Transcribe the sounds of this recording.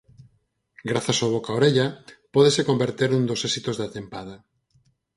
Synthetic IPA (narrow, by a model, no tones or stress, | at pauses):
ɡɾaθasoβ̞okaoɾeʎapɔðesekombeɾt̪eɾũnd̪osesit̪ozðat̪empað̞a